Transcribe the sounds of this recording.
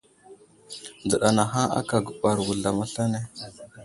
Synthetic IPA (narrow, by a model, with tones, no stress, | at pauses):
d͡zə˨ɗa˨na˨ɦa˦a̰˦ka˨ɡu˨ɓa˨ɾwu˨ɮa˨ma˦ɬa˦ne˦